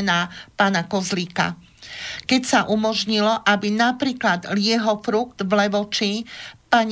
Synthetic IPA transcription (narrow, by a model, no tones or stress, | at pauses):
naːpaːnakɔzliːka̰ | kɛcsaʔumɔʒɲilɔʔabinapɾiːklad̪lɪɛɦɔfɾuɡd̪̥ʋlɛʋɔt͡ʃipaɲ